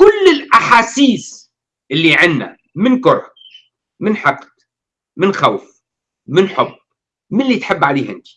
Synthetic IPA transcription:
kʊlːɪlʔaħaːsiːs | ʔɪlːiʕɪnːa̰ | mɪnkʊɾˤ | mɪnħɑqt̪ | mɪnxawf | mɪnħʊb | mɪnlːiːt̪ħɪbːʕaliːɦɪnk̪i̥

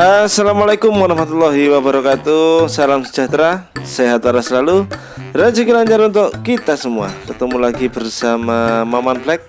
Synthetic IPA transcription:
əsalamalakʊmwaɾaɦmat̪ulːɔɦiwabəɾakat̪usalamsə̥d͡ʒat̪ɾaseɦat̪waɾasəlalu | ɾad͡ʒakilaɲd͡ʒaɾunt̪ʊʔkit̪asəmua̰kət̪əmulaɡibərsamamamanblɛk̚

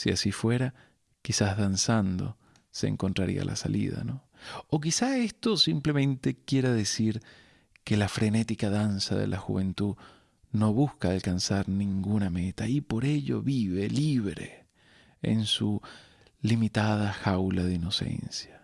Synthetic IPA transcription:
siasifwe̞ɾa | kisazðansand̪o̞̰ | sḛːŋkont̪ɾaɾḭa̰lʔa̰salḭða̰no̞ | ok̬isae̞st̪o̞simple̞mẽ̞nt̪e̞kje̞ɾaðesiɾ | ke̞lafɾe̞ne̞t̪ikaðansaðe̞̰lʔaxuβent̪uð | no̞βuskaːlkansaɾnĩŋɡuname̞t̪aipo̞ɾe̞ʎo̞̰βiβe̞liβɾḛ | ḛnsu | limit̪að̞axawlaðeino̞se̞̰nsja

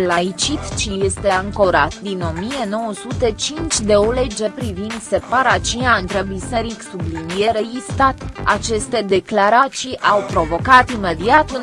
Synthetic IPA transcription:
lait͡ʃit̪t͡ʃije̞st̪e̞aŋko̞ɾat̪d̪ino̞mije̞no̞wəsut̪e̞t͡ʃint͡ʃʲd̪e̞ole̞d͡ʒe̞pɾivind̪se̞paɾat͡ʃiaɨnt̪ɾebise̞ɾiksublinije̞ɾejist̪at̪at͡ʃe̞st̪e̞d̪e̞klaɾat͡ʃiʔawpɾo̞vo̞kat̪ime̞d̪iat̪un

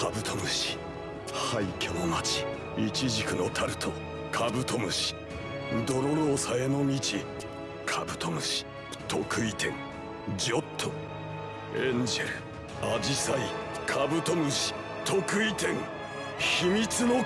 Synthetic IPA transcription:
abɯ̟t̪ʰo̞mɯ̟ɕi̥ | haikʲeonat͡ɕi̥ | it͡ɕiʑikɯ̟no̞t̪ʰaɾɯ̟t̪ʰo | kʰabɯ̟t̪o̞mɯ̟ɕi̥ | d̪oɾoɾoːsaeno̞mʲit͡ɕi | kʰabɯ̟t̪ʰomɯ̟ɕi̥ | t̪ʰo̞kɯ̟it̪ʰẽ̞ŋ | d͡ʑo̞t̪ʰːo | ẽɲd͡ʑeɾɯ̟ | ad͡ʑisaikʰabɯ̟t̪omɯ̟ɕi̥ | t̪ʰo̞kɯ̟it̪ẽ̞ŋ | çimʲit͡sɨno

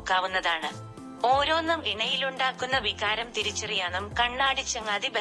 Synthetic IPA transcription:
kːaːʋunːɐðaːɳɨ | o̞ːɾo̞ːnːɐmʋiɳɐjiluɳɖaːkːunːɐʋiɣaːɾɐmt̪iɾit͡ɕːɐrijaːnumkɐɳːaːɽit͡ɕːɐŋɐðibe

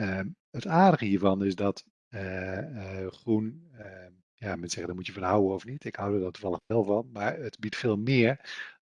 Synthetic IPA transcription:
ə | ətaːdəɣəhiːəɹvɔnɪsdɔt | ə | xrunə | jamɛnsɛɣədɔmutjəfɔnɦawənɔfnitɪkhawdədɔtu̥vɑlˠəχbɛlˠfɔnmaɹətbitfeːlˠmɪəɹ

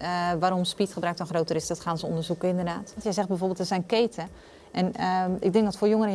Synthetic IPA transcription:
ʋaːɾomspitχəbrœk̚tɔnxroːwtərɪsdɔtxaːnzə̰ndərzukəɪndərdaːtntjɛjzɛxt̚bɛjfoːrbelˠtəsɛjnkeːtʰə | ʔɛnɪ̰ɡ̚dɪŋdɔtfoːjoŋəɾə

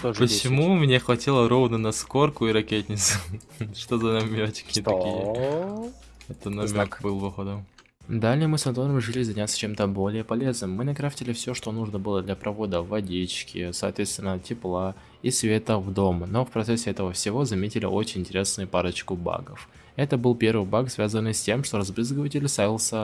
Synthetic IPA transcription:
t̪oʐpət͡ɕɪmumnʲexvɐtʲilˠəɾo̞vnənɐsko̞rkʊiɾɐkʲet̪ʲnʲɪt̪sʊ | ʂt̪ozɐnɐmʲot͡ɕkʲɪt̪ɐkʲijə | ɛt̪ənɐmʲkbɨlˠvɐxod̪əm | d̪alʲɪjəmɨsnɐt̪oɾəmʲɪʐɨlʲɪzɐnʲat̪sə̥t͡ɕe̞mt̪əbo̞lʲɪjəpɐlʲe̞znɨmːɨnɐkɾaftʲɪlʲɪfsʲoʂt̪o̞nuʐnəbɨlˠəd̪lʲɐpɾʔɐvo̞d̪əvɐdʲit͡ɕkʲɪsɐːt̪vʲet̪st̪vʲɪnːətʲɪplˠa | isvʲe̞t̪əvd̪o̞mno̞fpɾɐt̪sɛsʲːɪɛt̪əvəfsʲɪvo̞zɐmʲetʲɪlʲɪ̰ʔo̞t͡ɕɪnʲɪnʲtʲɪɾʲe̞snɨjʊpaɾət͡ɕkʊba̰ɡəf | ɛt̪əbɨlˠpʲe̞rvɨjbaksvʲazənːɨjsʲtʲe̞mʂt̪o̞ɾɐzbɾɨzɡəvətʲɪlʲɪst̪avʲɪlˠsʲə

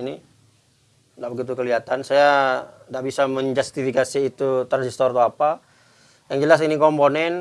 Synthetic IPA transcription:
ini | ndaʔbəɡit̪̬ukəliɦat̪ansajadaʔbisaməɲd͡ʒast̪ifikasiːt̪ut̪əresist̪ɔrt̪oapa | jaŋd͡ʒəlas̬inikɔmponɛn

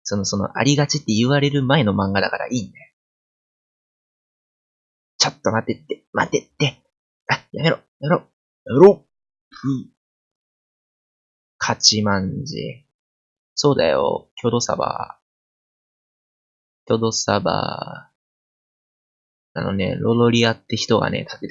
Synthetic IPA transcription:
so̞no̞so̞no̞̰ʔa̰ɾʲiɡat͡ɕit̪ːe̞ɯβaɾe̞ɾɯ̟mae̞no̞mãŋɡad̪akaɾa̰ʔiːnd̪ajo | t͡ɕot̪ːo̞mat̪ːe̞t̪ːema̰t̪ːet̪ːe̞ | ajame̞ɾojameɾo | jameɾo | pɯ̟ | kʰat͡ɕimãɲd͡ʑḭ | so̞ːd̪a̰jo̞̰kʲʰo̞d̪o̞sa̰ba̰ | kʲo̞d̪o̞saba̰ | a̰no̞̰ne̞̰ɾo̞d̪o̞ɾʲiat̪ːe̞çi̥t̪o̞ɡa̰ne̞̰t̪ʰḁt̪ːet̪

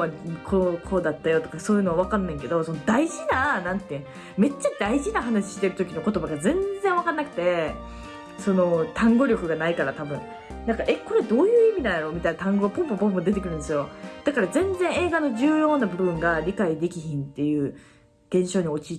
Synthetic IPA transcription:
akʰokʰo̞d̪at̪ːajo̞t̪okaso̞ːjɯ̟ːno̞aβ̞akanːẽ̞ŋke̞d̪o̞so̞nod̪aiʑinanãnt̪ːe | me̞t͡ɕːad̪aiʑinaɦanaɕi̥ɕi̥t̪e̞ɾɯ̟t̪o̞kʲino̞ko̞t̪o̞baɡazẽ̞nd͡zẽɰ̃βakanːakɯ̟̥t̪e̞ | so̞no̞t̪ãŋɡo̞ɾʲokɯ̟ɡanaikaɾat̪abɯ̟̃ | nãŋkaʔeko̞ɾe̞d̪o̞ːjɯ̟ːimʲid̪and̪aɾo̞ːmʲit̪ainat̪ãŋɡo̞ɡapõmpompõmpod̪e̞t̪ekɯ̟ɾɯ̟̃nd̪esjo̞d̪̥akaɾazẽ̞nd͡zẽɰ̃e̞ːɡano̞ʑɨːjo̞ːnabɯ̟bɯ̟̃ŋɡaɾʲikaid̪e̞kʲiçĩnt̪ːe̞jɯ̟ː | ɡ̪̥ẽ̞ɰ̃ɕo̞ːɲ̟io̞t͡ɕi

